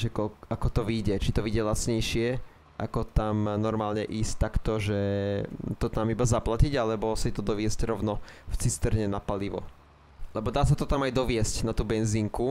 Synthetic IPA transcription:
ʒɛkɔakɔt̪ɔʋiɟɛt͡ʃit̪ɔʋiːɟɛlat͡sɲɛjʃɪɛ | ʔa̰kɔt̪amnɔɾmaːlɲɛʔiːsct̪ːakt̪ɔʒɛ | t̪ɔt̪amibazaplaciɟalɛbɔsit̪ɔd̪ɔʋɪɛsɟɾɔʊnɔft͡sist̪ɛɾɲɛnapaliʋɔ̰ | lɛbɔd̪aːsat̪ɔt̪amajd̪ɔʋɪɛscnat̪uːbɛnziŋku

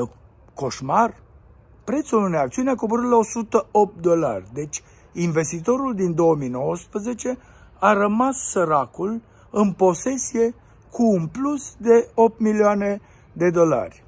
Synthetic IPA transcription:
ko̞ʃmar | pɾe̞t̪suluneakt̪siuneakobəɾɨt̪lao̞sut̪əop̚t̪̚d̪o̞la̰rʲd̪e̞t͡ʃʲ | inve̞st̪it̪o̞ɾuld̪ind̪o̞əminowəspɾəze̞t͡ʃe̞ | aɾəmasːəɾakul | ɨnpo̞se̞sie̞ | kʰuːnplusd̪e̞o̞p̚t̪milioane̞ | d̪e̞d̪o̞la̰rʲ

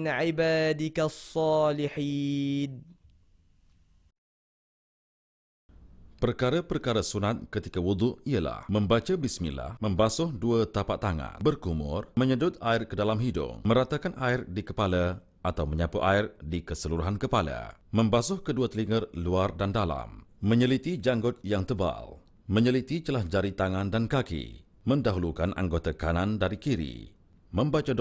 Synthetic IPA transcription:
nʕibaːdikasːɑːliħiːn | pərkaɾapərkaɾasunat̪̚kət̪ikawud̪ˤuʔijala̰hmə̃mbat͡ʃabismḭnla̰hmə̃mbasʊhduat̪apat̪ːaŋã̰nbərkumʊ̰rmə̃ɲədʊt̪̚aɪrkədalamɦidʊ̰mə̃ɾat̪akanʔaɪrdikəpala | ʔat̪awməɲapuʔaɪrdikəsəluɾuɦankəpala̰mə̃mbasʊhkəduat̪əliŋərluardandala̰mmə̃ɲəlit̪id͡ʒaŋɡʊt̪̚jaŋt̪əba̰l | mə̃ɲəlit̪it͡ʃəlahd͡ʒaɾit̪aŋãndankakḭ | mə̃ndaɦulukanʔa̰ŋɡot̪akanandaɾikiɾḭ | mə̃mbat͡ʃa

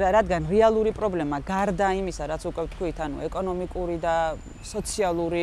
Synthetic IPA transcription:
ɾad̪ɡanɾɛalˠuɾipʼɾɔblɛmaɡaɾd̪aimisaɾat̪sʰukʼwɛft̪ʰkʰwit̪ʰanṵɛkʼɔnɔmikʼuɾid̪a | sɔt̪sʰialˠuɾi

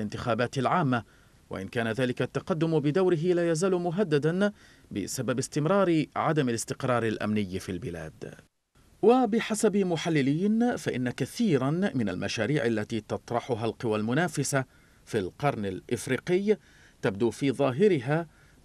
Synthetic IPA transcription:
ɪnt̪ɪxaːbaːt̪ɪlʕaːmːa | wa̰ʔɪnkaːnaðaːlɪkat̪ːaqɑd̪ːʊmbɪd̪awɾɪɦɪlaːjazaːlʊmʊɦad̪ːad̪an | bɪ̰sababɪst̪ɪmɾˤɑːɾɪʕad̪amalɪst̪ɪqɾˤɑːɾˤɪlʔa̰mnɪjːfilbɪla̰ːd̪ | wabɪħasabmʊħalːɪliːnfaʔɪ̰nːakaθiːɾanmɪna̰lmaʃaːɾiːʕalːat̪iːt̪ɑt̪ˤɾˤɑħʊɦalqɨwalmʊnaːfɪsa | filqɑɾˤnɪlʔɪfɾiːqɪj | t̪ab̚d̪uːfiːðˤɑːɦɪɾɪɦaː

